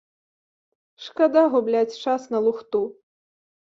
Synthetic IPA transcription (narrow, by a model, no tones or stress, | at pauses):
ʂkad̪aɣublʲat͡sʲt͡ʂasnɐlˠuxt̪u